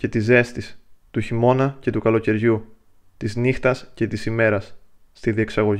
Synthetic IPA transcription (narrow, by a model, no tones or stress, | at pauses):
ce̞t̪ize̞st̪ist̪uçimo̞nɐce̞t̪ukɐlo̞ce̞ɾʝu | t̪iznixt̪ɐsce̞t̪isime̞ɾɐsː | t̪iðieksɐɣo̞ʝ